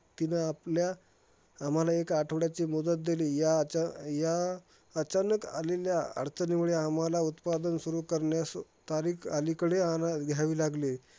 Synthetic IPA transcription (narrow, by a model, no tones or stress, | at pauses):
t̪inəːpljaː | m̤alaekaʈʰəʋɽjat͡ɕimud̪ət̪̚d̪eliːjaja | ət͡ɕanəka̰leljaa̰ɽt͡səniʋɭeam̤alaut̪pad̪ənsuɾuːkəɾɳjast̪aɾiːkalikəɽeanaɡ̪ʱjaʋiːlaɡle